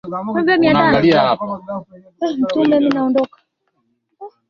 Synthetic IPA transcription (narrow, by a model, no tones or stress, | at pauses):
ɔbɛmianaaɡaliahapa | m̩tumɛminaɔndɔkḁ